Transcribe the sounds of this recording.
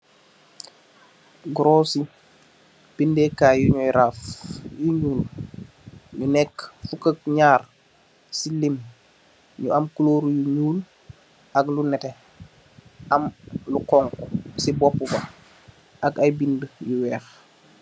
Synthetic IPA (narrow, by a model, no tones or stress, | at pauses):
ɡɾoːsi | b̥indɛːkajuɲɔjɾafjuɲuːl | ɲunɛkːfukək̚ɲaːr | silim | ɲṵɐmkuloːɾjuɲuːl | ʔɐklunɛtɛ | ʔɐmlukɔŋkusibɔpːubɐ | ʔɐkajbindəjuwɛːx